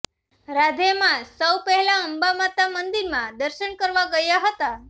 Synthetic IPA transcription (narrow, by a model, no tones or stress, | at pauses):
ɾad̪ʱemãsəwpəɦɛlaəmbamat̪amənd̪iɾmãd̪əɾʃəɳkəɾʋaɡəjaɦət̪a